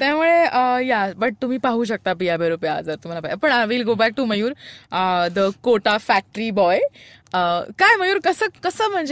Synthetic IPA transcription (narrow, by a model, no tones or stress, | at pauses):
t̪jamuɭeəjabəʈ̚t̪um̤iːpaɦuːɕ̬ək̚t̪apijabʱeɾopjad͡zəɾt̪um̤alapajapəɳaʋilɡobæk̚ʈuməjuːɾəd̪əkoʈafæk̚ʈɾibɔj | əkajməjuːɾkəsəːkəsəːm̤əɳd͡ʑe